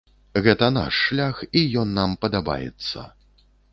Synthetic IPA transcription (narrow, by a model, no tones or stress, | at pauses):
ɣɛt̪ɐna̰ʂːlʲaxijɔnːampɐd̪aba̰jɛ̰t̪sːɐ̰